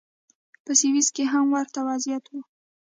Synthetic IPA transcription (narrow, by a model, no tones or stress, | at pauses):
pəsiwiskeɦamwaɾt̪awazijat̪wu